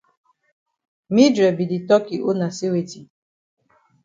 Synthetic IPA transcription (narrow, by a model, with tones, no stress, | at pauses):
mi˦dɾe˨bi˨di˨tɔ˦ki˨ʔo˦na˨si˦we˨ti˨